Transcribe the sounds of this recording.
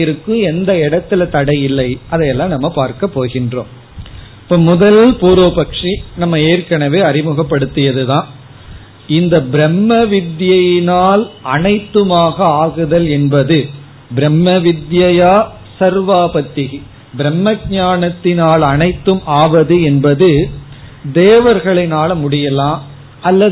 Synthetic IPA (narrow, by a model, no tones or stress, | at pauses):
ɪɾɯkːɯ̃ɛnd̪ɐɛɽɐt̪ːɪlɐt̪ɐɽɐjɪlːɐɪʔɐðɐjɛlːãːnɐmːɐpaːɾkɐpːoːɣɪndro̰ːm | pːoːmʊðɐlpuːɾoːpɐkʂinɐmːɐeːɾkɐɳɐʋeːɐɾɪmɯɣɐpːɐɽɯt̪ːɯjɐðɯðãːn | ɪnd̪ɐbɪɾɛmːɐʋɪd̪jɐjɪnaːlʔɐnɐɪt̪ːɯmaːɣɐaːɣɯðɐlɛnbɐðɯ | bɪɾɛmːɐʋɪd̪jɐjaː | sɐɾʋaːpɐt̪ːɪɣi | bɪɾɛmːɐɡ̚ɲaːɳɐt̪ːɪnaːlɐnɐɪt̪ːɯmaːʋɐðɯɛnbɐðɯ | d̪eːʋɐɾɣɐɭɐɪnaːlmʊɽɪjɐlãːm | ɐlːɐ